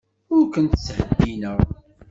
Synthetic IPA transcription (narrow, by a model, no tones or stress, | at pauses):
ʊɾkənt̪əshəd̪ːinəʁ